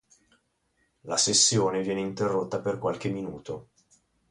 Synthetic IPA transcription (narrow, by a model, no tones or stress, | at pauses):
lasesːjoːnevjɛːneint̪erːot̪ːaperkwalk̟eminuːt̪o